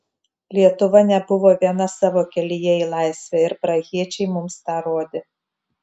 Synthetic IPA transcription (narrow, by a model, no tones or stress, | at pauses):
lʲiɛt̪ʊʋɐnʲɛbʊʋoːʋʲiɛnɐsɑːʋoːkʲɛlʲɪjɛilˠɑˑɪsʲʋʲæɪɾpɾɐɣʲiɛt͡ʃʲɛɪmʊmst̪ɑːɾoːd̪ʲɪ